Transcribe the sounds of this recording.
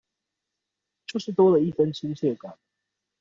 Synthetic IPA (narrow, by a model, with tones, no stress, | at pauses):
t͡ɕjo˥˧ʂɻ̩˥˩t̪wɔ˥lə˨i˥˩fə˦nt͡ɕʰi˦˥nt͡ɕʰɥɛ˥˩kwa˨˩˦n